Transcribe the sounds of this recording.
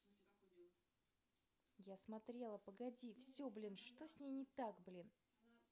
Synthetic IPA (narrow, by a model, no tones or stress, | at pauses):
jasmɐt̪ɾʲe̞lˠəpəɡɐdʲifsʲoblʲinʂt̪o̞sʲnʲejnʲɪt̪akblʲin